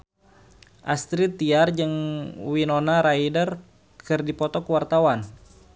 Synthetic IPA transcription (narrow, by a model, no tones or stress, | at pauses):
ʔast̪ɾit̪iard͡ʒɨŋwinonaɾaidər | kʰɨrdipɔt̪ɔkəwart̪awan